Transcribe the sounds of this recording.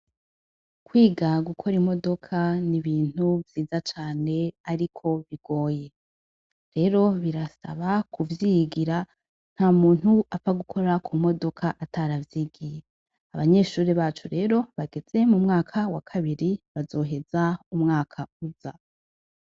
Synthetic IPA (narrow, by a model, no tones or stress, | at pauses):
kwiːɡaɡukʰoɾimo̞do̞kʰaniβiːn̥uvjiːzat͡ʃaːne̞aɾikʰo̞βiɡ̥o̞ːje̞ | ɾe̞ːɾo̞βiɾasa̰βakuvjiɡiɾa | n̥haːmuːn̥huafaɡukʰo̞ɾakʰumo̞do̞kʰaʔatʰaɾavjiːɡije | aβaɲe̞ʃuːɾiβaːt͡ʃuɾe̞ːɾo̞βaɡe̞z̥e̞mumŋaːkʰawakʰaβiɾiβazo̞ːɦe̞zaumŋaːkʰauza